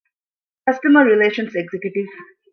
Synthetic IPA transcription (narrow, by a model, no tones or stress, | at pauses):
kʌsʈəməɾileːʃə̃nseɡzekjuʈiʋs